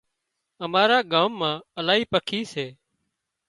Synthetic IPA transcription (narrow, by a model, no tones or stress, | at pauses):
əmaːɾaːɠaːmːãːəlaːɦiːpəkʰiːseː